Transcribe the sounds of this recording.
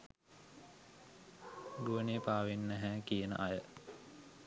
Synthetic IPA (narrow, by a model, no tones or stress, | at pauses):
d̪uənepaːʋenːəɦæːkijənə̰ʔajə